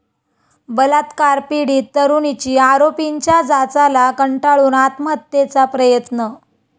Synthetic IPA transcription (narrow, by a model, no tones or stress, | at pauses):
bəlat̪kaɾpiɽiːt̪ːəɾunit͡ɕiːaɾopiɲt͡ɕjad͡zat͡salakəɳʈaɭuːnat̪mət̪ːet͡sapɾəjət̪nə